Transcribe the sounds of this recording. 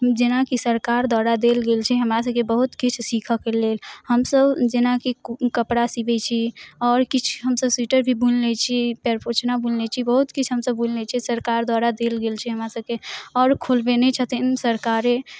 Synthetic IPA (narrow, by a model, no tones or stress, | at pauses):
md͡ʒenakisəɾkaɾd̪waɾad̪elɡelt͡ʃʰiɦəmɾas̬əb̚kebəɦut̪kit͡ʃʰsikʰəkelelhəmsəbd͡ʒenakikəpɽasibɛt͡ʃʰiɔɾkit͡ʃʰɦəmsəbsiʈəɾbʱibunlɛt͡ʃʰipɛɾpʰot͡ʃnabunlɛt͡ʃʰibəɦut̪kit͡ʃʰɦəmsəbːullɛt͡ʃʰisəɾkaɾd̪waɾad̪elɡelt͡ʃʰiɦəmɾasəb̚keɔːɾkʰolbenɛt͡ʃʰət̪insəɾkaɾe